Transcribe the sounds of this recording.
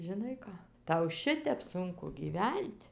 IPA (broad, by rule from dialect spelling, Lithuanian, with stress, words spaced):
ʒʲɪˈnɐɪ ˈkɑː ˈtɐʊ ˈʃʲɪtʲɛp ˈsʊŋkʊ ɡʲiːˈʋʲɛnʲtʲ